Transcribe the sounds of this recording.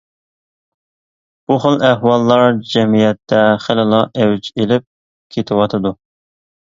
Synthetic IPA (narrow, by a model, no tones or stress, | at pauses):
b̥uχəlˠæɦwɑlˠːɑɾd͡ʒɛmijɛt̪ʰːɛχəlɪlˠɑʔɛwd͡ʒelɪp̚ | kʲʰet̪ʰɪwɑt̪ʰɨd̪u